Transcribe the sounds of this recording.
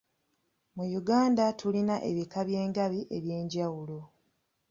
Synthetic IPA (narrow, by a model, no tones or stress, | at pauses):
mujuɡaːndatʰulinaʔe̞βikaβje̞ːŋɡaβiʔe̞βje̞ːɲɟawulo̞